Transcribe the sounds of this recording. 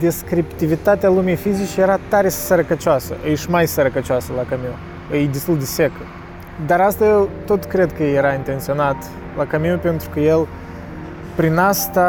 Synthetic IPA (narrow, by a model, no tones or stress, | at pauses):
d̪e̞skɾipt̪ivit̪at̪ealumijfizit͡ʃjeɾat̪aɾesəɾəkət͡ʃoasə̰ʔəʃmajsəɾəkət͡ʃɪasəlakəmiu | əjd̪est̪uld̪ʲesekə | d̪aɾast̪ajelt̪o̞t̪kɾe̞d̪kəjeɾaint̪e̞nt̪sio̞nat̪ | lakəmiupe̞nt̪ɾukəjel | pɾinast̪a